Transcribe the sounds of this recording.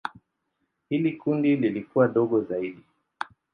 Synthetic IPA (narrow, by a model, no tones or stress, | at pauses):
hilikundililikuwaɗɔɠɔzaiɗi